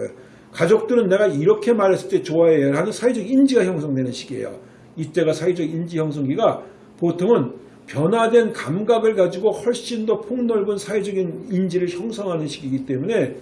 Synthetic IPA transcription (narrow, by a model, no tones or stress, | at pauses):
kad͡ʑok̚t͈ɯɾɯnːe̞ɡaiɾʌkʰe̞maɾɦes͈ɯɭt͈e̞t͡ɕoaeɦanɯnsʰaid͡ʑʌɡind͡ʑiɡaçjʌŋs̬ʰʌŋdwe̞nɯnɕʰiɡie̞̰jo̰ | it͈e̞ɡasʰaid͡ʑʌɡind͡ʑiçjʌŋs̬ʰʌŋɡiɡa | potʰoŋɯn | pjʌnwadwe̞nkamɡaɡɯɭɡad͡ʑiɡohwʌɭɕ͈indopʰoŋnʌɭɡɯnsʰaed͡ʑʌɡinind͡ʑiɾɯɭçjʌŋsʰʌŋɦanɯnɕʰiɡiɡit͈e̞mune̞